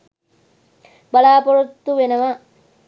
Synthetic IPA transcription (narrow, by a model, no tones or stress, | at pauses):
balaːpoɾut̪ːuʋenəʋa